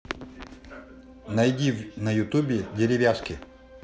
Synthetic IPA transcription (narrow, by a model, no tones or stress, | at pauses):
nɐjdʲivnɐjʊt̪ubʲɪdʲeɾʲɪvʲaʂkʲɪ